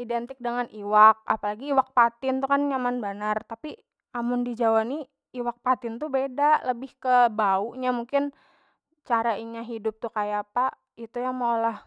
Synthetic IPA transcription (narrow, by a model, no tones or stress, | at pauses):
idɛnt̪ɪk̚dəŋaniwak̚a̰palaɡiːwak̚pat̪ɪnt̪ukanɲamanbanart̪api | amʊndid͡ʒawani | iwak̚pat̪ɪnt̪ubedaləbɪhkəbauʔɲamuŋkɪn | t͡ʃaɾaiɲaɦidʊp̚t̪ʊkajapa | it̪ujaŋmolah